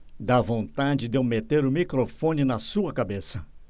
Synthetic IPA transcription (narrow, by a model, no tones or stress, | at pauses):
d̪avõnt̪ad͡ʒɪd̪ewmet̪eɾʊmikɾofõnɪnɐsuɐkabesɐ